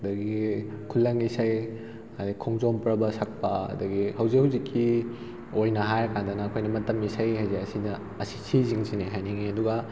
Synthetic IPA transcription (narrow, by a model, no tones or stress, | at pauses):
dɐɡikʰulːɐŋisaj | aikʰɔŋzɔmpɾɐbɐsak̚pɐɐ̰dɐɡihɐwzikhuwzikʰːi | ojnɐɦajɐkʰandɐnɐːkʰojnɐmɐtɐmisajɦajzeɐsinɐ | ɐsi̥sʰiziŋsineɦajniŋiɐduɡɐ